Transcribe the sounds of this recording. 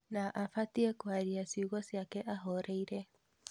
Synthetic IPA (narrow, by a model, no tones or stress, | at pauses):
naʔafatiɛkwaɾiasiuɣɔsjakɛʔaɦɔɾɛiɾɛ